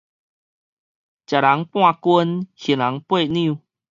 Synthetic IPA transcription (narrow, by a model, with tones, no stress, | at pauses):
t͡ɕja˨˩la˨˦ŋpw̃ã˥˧kwə˧nhi˨˦nla˨˦ŋpwe˥˧˨nĩ˧u˨